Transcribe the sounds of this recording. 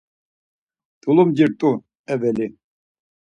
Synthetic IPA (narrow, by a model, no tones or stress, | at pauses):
d̪̥ulumd͡ʒiɾt̪ʼu | ɛvɛli